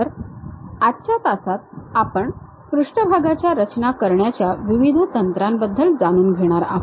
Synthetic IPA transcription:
əɾ | atːɕʰat̪asat̪̚apəɳ | kɾuʂʈəbʱaɡat͡ɕjaɾət͡ɕnakəɾɳjat͡ɕjaʋiʋid̪ʱət̪ənt̪ɾambəd̪ʱːəld͡zaɽ̃uːnɡʱeɽ̃aɾa̰ɦ

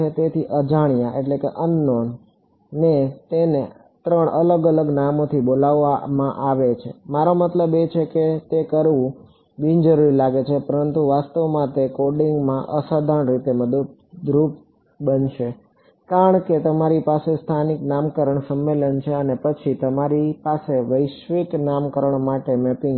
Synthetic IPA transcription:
et̪et̪ʰiʔəd͡ʒaɽ̃ijaʔeʈlekeʔənːonː | et̪ene | t̪ɾəɳʔələɡələɡnamot̪ʰibolaʋːamãʔaʋet͡ʃʰemaɾomət̪ləbet͡ʃʰeket̪ekəɾʋũ | bĩnd͡ʒəɾuɾilaɡet͡ʃʰepəɾənt̪uʋast̪əʋmãt̪ekoɾɖiŋɡmãʔəsad̪ʱaɳɾit̪eməd̪ət̪̚ | d̪ɾup̚ | bənʃe | kaɾəɳket̪əmaɾipasest̪ʰaniknamkəɾəɳsəmːelənt͡ʃʰeənepət͡ʃʰit̪əmaɾipaseʋəjʃʋiknamkəɾəɳmaʈemɛpɪŋ

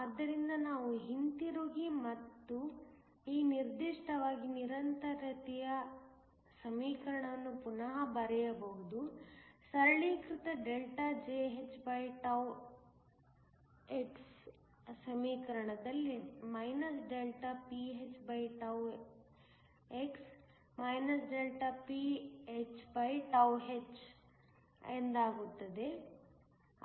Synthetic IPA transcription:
aːd̪ːɐɾind̪ɐnaːʋuɦint̪iɾoːɡimɐt̪ːu | iːniɾd̪iʂʈɐʋaːɡiniɾɐnt̪ɐɾɐt̪ijɐ | sɐmiːkɐɾɐɳɐʋɐnːupunɐɦɐbɐɾɛjɐbɐɦud̪usɐɾɐɭiːkɾit̪ɐɖelʈɐd͡ʒeːɦet͡ʃːbɐjʈɐw | eks | sɐmiːkɐɾɐɳɐd̪ɐlːimɐjnɐsɖelʈɐpiɦet͡ʃbɐjʈɐw | eks | mɐjnɐsɖelʈɐpiet͡ʃbɐjʈɐwɦet͡ʃ | end̪aːɡut̪ːɐd̪e̞

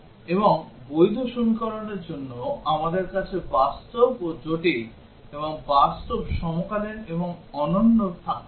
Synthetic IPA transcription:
eboŋbojd̪ʱoʃonkɔɾaneɾd͡ʑonːoamad̪eɾkat͡ɕʰebast̪obod͡ʑoʈi | eβoŋbast̪obʃɔmokaleɾeboŋɔnonːot̪ʰa

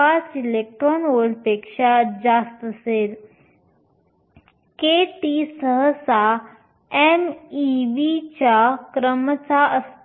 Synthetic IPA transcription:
asilek̚ʈɾonoɽpeːkʂad͡ʑast̪əseɾ | keʈisəɦəsa | emiʋit͡ɕakɾəmət͡saəs

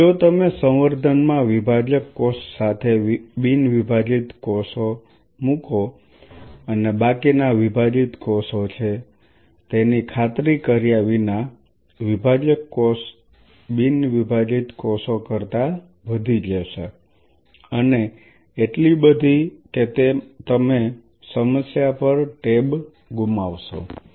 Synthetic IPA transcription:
d͡ʒot̪əmesə̃w̃ʋəɾd̪ʱənmãʋibʱad͡ʒəkːɔssːat̪ʰebinʋibʱad͡ʒit̪kɔso | mũko | ənebakinaʋibʱad͡ʒit̪kɔsot͡ʃʰe | t̪enikʰat̪ɾikəɾijaʋina | ʋibʱad͡ʒəkːos | binʋibʱad͡ʒit̪kɔsokəɾt̪a | ʋəd̪ʱid͡ʒeʃe | əneː | ʈlibəd̪ʱiket̪et̪əme | səməsjapəɾʈeb | ɡumaʋʃo̰

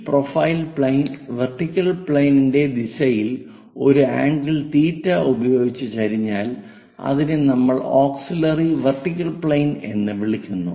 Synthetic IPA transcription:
profɐjilpɭejnʋerʈːikʲːɐɭpɭejninde̞d̪isɐjil | o̞ɾua̰ːɳɖilt̪iːtːɐubɐjo̞ːɡit͡ɕːɨkɐɾiɲːaːl | ɐ̰ðinenɐmːɐɭoːksilɐriʋerʈːikʲːɐɭpɭejne̞̰nːɨʋiɭikʲːunːu

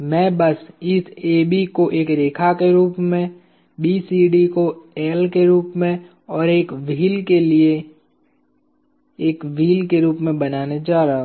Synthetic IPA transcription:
mɛ̃ːbɐsɪseːbikoʔeːkɾeːkʰakeɾuːpmẽ | biːsiːɖikoɛːlkeɾuːpmẽ | ɔːɾeːkʋiːlkelie | eːkʋiːlkeɾuːpmẽbɐnaːned͡ʒaːɾaɦɦ

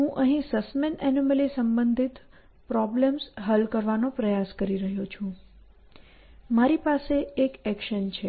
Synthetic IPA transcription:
ɦũʔə̃ɦĩsəsmenɛniməlisəmbənd̪ʱit̪ | pɾɔbləmsɦəlkəɾʋanopɾəjaskəɾiɾəɦot͡ʃʰũ | maɾipaseekɛkʃənt͡ʃʰe

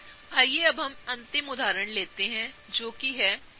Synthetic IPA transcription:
aːjeɐbɦɐmɐ̃nt̪ɪmʊd̪ʱaːɾəɳ̃leːt̪eɦɛ̃ | d͡ʒoːkiɦɛː

